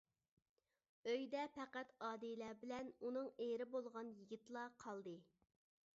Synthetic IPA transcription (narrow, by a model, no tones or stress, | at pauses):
øjd̪ɛpʰɛqæt̪ɑːd̪ejlæbɪlɛnunɨŋeɾɪbolˠʁɑnjiɡʲit̪lˠɑqʰɑlˠd̪ɨ